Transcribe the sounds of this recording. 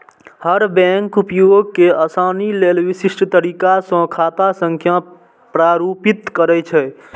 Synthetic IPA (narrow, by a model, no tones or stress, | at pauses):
həɾbɛ̃ŋkupjuɡkːeəsaːnilelʋisisʈt̪əɾikasə̃kʰat̪asə̃ŋkʰja | pɾaɾupit̪kəɾɛt͡ʃʰɛ